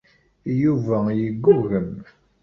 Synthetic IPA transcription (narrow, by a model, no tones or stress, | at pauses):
juvæjəɡːʊɾɣəm